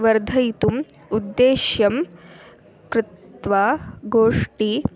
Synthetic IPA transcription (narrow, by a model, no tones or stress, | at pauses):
ʋɐɾd̪ʱɐjt̪um | ud̪ːeːʃjɐm | kɾɪt̪ʋaːɡoːʂʈi